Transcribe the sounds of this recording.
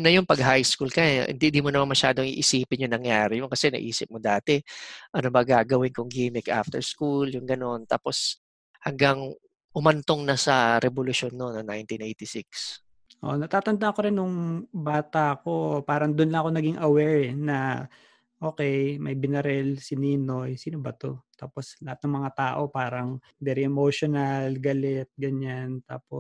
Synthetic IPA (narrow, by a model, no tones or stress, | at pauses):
nɐjʊŋpɐɡɦajskulkɐɪ̰nd̪ind̪imonɐmanmɐʃaːd̪oŋiʔɪsiːpɪnjʊŋnɐŋjaːɾɪjonkɐsɛnɐ̰ʔiːsɪp̚mod̪aːt̪ɛʔɐnobɐɡaɡɐwɪnkʊŋɡimɪkʔa̰ft̪ɛ̰ɹskuljʊŋɡɐno̞nt̪a̰ːpo̞s | hɐŋɡaŋ | ʔʊmɐnt̪oŋnɐsɐɾɛbolʊʃo̞nːonːɐŋnajnt̪inʔejt̪isɪks | ʔo̰ʔnɐt̪aːt̪ɐnd̪ahɐkoɾɪnːʊŋbaːt̪ɐʔko̞paːɾɐŋd̪ʊnlɐŋɐko̞nɐɡiŋʔɐwɛɹɛnɐ | ʔoːkɛjmɐjbɪnɛɾɛlsɪniːno̞jsiːnobɐt̪o̞̰t̪aːpo̞slɐhat̪̚nɐŋmɐŋat̪aːʔo̞paːɾɐŋ | d̪ɛɾɪʔɛmoʃonɐlɡɐlɛt̪̚ɡɐɲant̪aːpo